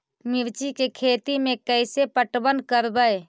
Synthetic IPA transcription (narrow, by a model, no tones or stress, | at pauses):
miɾt͡ʃikekʰeːt̪imẽkəɪsepəʈbənkəɾbəj